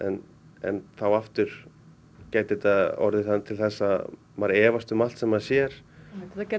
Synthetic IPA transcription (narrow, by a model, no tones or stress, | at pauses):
ɛ̰n | ɛ̰nθawaft̪ʏɾ̥ | caːjt̪ɪt̪aɔ̰ɾðɪθanːt̪ʰɪlθɛsːa | maɾɛːvast̪ʏmalt̪sɛmaðsjɛɾ̥